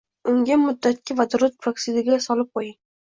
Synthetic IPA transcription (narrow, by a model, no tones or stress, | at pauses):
ʊŋɡʲamʊd̪ːat̪̚kʲʰɪvad̪ʊɾʊt̪̚pʰɾoksɪd̪ɪɡʲasɒlɪp̚qʰojɪŋ